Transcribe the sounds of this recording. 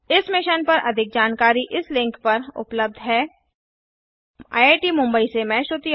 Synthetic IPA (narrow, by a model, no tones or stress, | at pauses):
ɪsmɪʃənpɐɾʔɐ̰d̪ʱɪk̚d͡ʒaːnkaːɾiʔɪslɪ̃ŋkpɐɾʊ̰pləb̚d̪ʱɦɛː | a̰ːjeːʈimʊ̃mbəisemɛ̃ːʃʊt̪i